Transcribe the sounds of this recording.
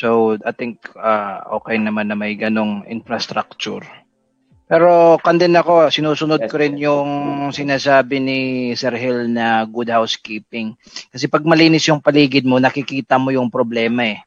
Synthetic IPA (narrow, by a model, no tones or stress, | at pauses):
sowʔajt̪ɪŋkaʔo̞ːkɛjnɐmanːɐmɐjɡɐno̞ŋʔɪ̰nfɾɐst̪ɾak̚t͡ʃʊ̰ɾ | pɛːɾo̞kɐnd̪ɛnɐko̞sɪnuːsʊnod̪̚koɾɪnjʊŋsɪnaːsaːbɪnɪsɛɾɦɛlnɐɡud̪̚hawskiːpɪŋ | kɐs̬ɛpɐɡ̚mɐliːnɪsjʊŋpɐliːɡɪd̪̚monɐkɪkiːt̪ɐmojʊŋpɾoblɛːmɐɛ